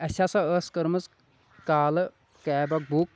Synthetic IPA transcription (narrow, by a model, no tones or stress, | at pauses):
ɐsʲasɐəskɐɾmɐs | kaːlɨ | kɛːbɐk̚buk̚